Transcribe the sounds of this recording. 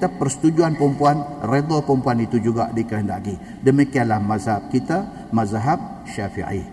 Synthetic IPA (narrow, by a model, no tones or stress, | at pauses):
t̪apərsə̥t̪ud͡ʒuanpɾəmpuanred̪ɔpɾəmpuanit̪ud͡ʒuɡa̰ʔdikəɦənda̰ʔki | dəmikianlahmazhab̚kit̪a | mazɦab̚ | ʃafḭʕḭ